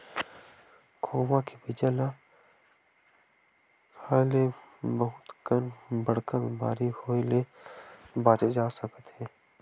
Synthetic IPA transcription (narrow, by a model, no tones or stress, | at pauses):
kʰoːʋãkebɪd͡ʒala | kʰaːlebəɦʊt̪kənbəɽkabɪma̰ːɾihoːele | baːt͡ʃed͡ʒaːsəkət̪ɦɛ̃ː